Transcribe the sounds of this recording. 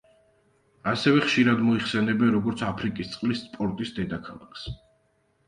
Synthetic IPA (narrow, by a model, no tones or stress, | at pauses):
asɛvɛχʃiɾad̪mɔiχsɛnɛbɛnɾɔɡɔɾt̪sʰapʰɾikʼist̪sʼqʼlispʼɔɾt̪ʼisd̪ɛd̪akʰalˠa̰kʰs